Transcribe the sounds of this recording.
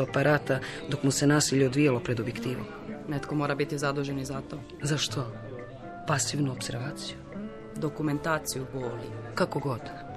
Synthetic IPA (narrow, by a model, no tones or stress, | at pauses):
apaɾaːt̪a | d̪o̞kmuse̞naːsiʎjeod̪ʋijalo̞pɾe̞d̪objekt̪iːʋo̰mnet̪ko̞mo̞ːɾabit̪izad̪uːʒenizat̪o | zaʃt̪ʰo | pasiʋnuopse̞ɾʋaːt̪siju | d̪o̞kume̞nt̪aːt̪sijuɡoːlḭkakoɡo̞d̪̥